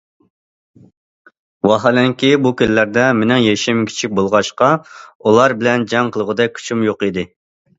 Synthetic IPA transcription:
wɑɦɑlɛŋkʲibukʲilɪlæɾd̪ɛmenɪŋjeʃimkʲʰi̥t͡ʃʰik̚ʲbolˠʁɑʃqɑulˠɑɾbɪlɛnd͡ʒɑŋqʰəlˠəʁəd̪ɛk̚ʲkʲʰy̥t͡ʃʰymjoqid̪ɪ

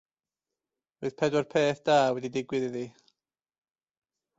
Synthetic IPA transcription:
roɨð̥pʰɛdwɛrpʰeːθd̥aːwɛdidɪɡwɨðiði

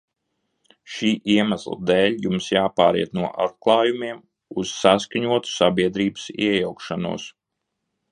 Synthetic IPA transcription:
ʃiːʔiɛmæslˠa̰d̪ɛːlʲjumsjaːpaːɾḭɛt̪nuɔʔat̪̚klˠɑːjumiɛm | uz̥saskaɲuɔt̪u̥sabiɛd̪ɾiːbəsḭɛjawkʃanṵɔs

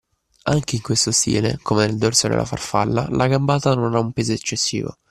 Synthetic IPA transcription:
aŋk̟eiŋkwest̪ost̪ḭːlḛkʰomeneld̪orsod̪ḛlːʔa̰farfa̰lːa̰lʔaɡambaːt̪anonaumpeːzoet͡ʃːesːḭːvo̰

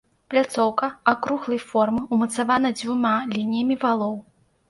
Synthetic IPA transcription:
plʲat̪sɔwkɐakɾuɣlˠɐjfɔrmɨumɐt̪savanɐd͡zʲvumalʲinʲijɐmʲivalˠɔw

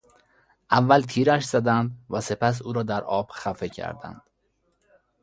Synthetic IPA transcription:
ʔævːælt̪ʰiːɾæʃz̥æd̪ænd̪væse̞pʰæs̬uːɾɒːd̪æɾɒːb̥xæfecʰæ̰ɾd̪æ̰nd̪̥

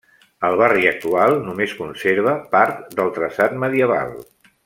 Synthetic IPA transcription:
əlˠβariək̚t̪ualˠnumeskunseɾβ̞əpaɾt̪d̪əlˠt̪ɾəsat̪məðiəβ̞a̰lˠ

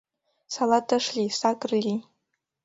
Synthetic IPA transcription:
salatːaʂlʲisakʼrlʲi

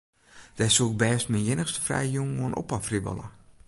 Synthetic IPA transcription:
d̥ɛsuk̚bɛːstminjɪnəxstə̥frɛ̰jjuŋmoənʔɔ̰pafribə̰lˠə̰

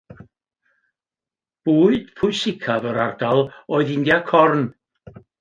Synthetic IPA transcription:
b̥uːɨd̥pʰʊjsɪkʰavəɾardalˠɔːɨðɪndjakʰɔrn

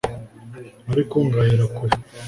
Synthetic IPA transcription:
aɾikoŋɡajiɾakuɾi

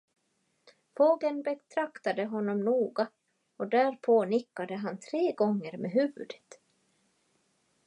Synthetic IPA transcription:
foːɡənbɛt̪ʰɾakt̪ad̪əɦɔnːɔmnuːɡa | ɔd̪æɾpʰoːnɪkːad̪əɦant̪ʰɾeːɡɔŋːəɾmeɦʉ̟ːvɵ̰d̪ət̪

